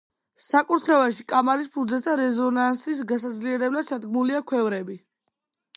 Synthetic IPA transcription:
sakʼuɾt̪ʰχɛvaʃikʼamaɾis̬pʰud̪zɛsd̪aɾɛzɔnansis̬ɡasad̪zliɛɾɛblad̪̥̚t͡ʃʰad̪ɡmuliakʰwɛvɾɛbi

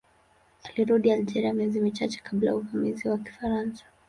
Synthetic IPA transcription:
aliɾuɗiald͡ʒɛɾiamiɛzimit͡ʃat͡ʃɛ̥kʰabla̰jauvamiziwaki̥faɾansḁ

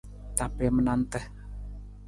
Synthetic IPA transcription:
t̪apemənant̪əh

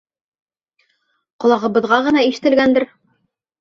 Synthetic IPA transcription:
qŏlˠɑʁɤ̆βɤ̆ðʁɑʁɤ̆nɑiʃɘ̆t̪ɘ̆lɡænd̪ɘɾ

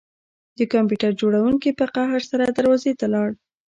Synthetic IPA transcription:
d̪əkɑmpjuʈaɾd͡ʒoɽawuŋkipəqaɦaɾsaɾad̪aɾwɑzet̪alɑɽ

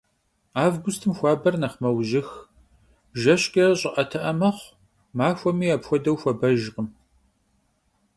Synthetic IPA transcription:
aːvɡʷʊstʰɨmxʷɑːbɐrnɐχmɐwʑɪx | ʒɐɕkʼɐrɕʼɪʔɐtʰɐʔɐmɐχʷ | maːxʷɔmiːaːpxʷɔdɐwxʷɐbɐʒqəm

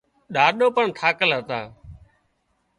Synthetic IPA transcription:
ɗaːɗoːpəɳt̪ʰaːkəlɦət̪ã̰ː

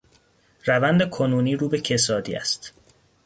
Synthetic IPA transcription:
ɾævænd̪ekʰonuːniːɾuːbecʰe̞sɒːd̪ḭːæ̰st̪

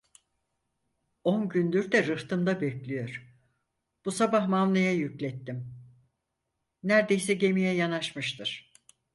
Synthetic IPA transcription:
onɟynd̪yɾd̪ɛɾɯft̪ʰɯmd̪abɛclʲijo̞ɾ̥ | b̥usabahmamlˠɯjajyclʲɛt̪ːim | næɾd̪ejsɛɟe̞mijɛjanaʃmɯʃt̪ʰɯɾ̥

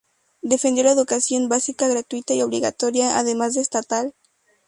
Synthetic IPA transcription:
d̪e̞fe̞nd̪jolaeðukasjo̞mbasikaɣɾat̪wit̪aio̞βliɣat̪o̞ɾjaa̰ðe̞mazðeːst̪at̪al

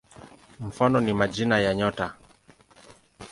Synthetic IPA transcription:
m̩fanɔnimaʄinajaɲɔta

